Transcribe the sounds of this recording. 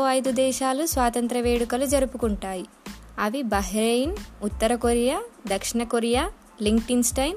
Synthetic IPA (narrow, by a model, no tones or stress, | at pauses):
oɐjd̪ud̪ɛːʃaːlusʋaːt̪ɐnt̪ɾɐʋeːɽukɐlud͡ʒɐɾupukuɳʈaːji | ɐʋibɐɦɾejnut̪ːɐɾɐkoɾijaːd̪ɐkʂiɳɐkoɾijaː | liŋɡʈinsʈɐjn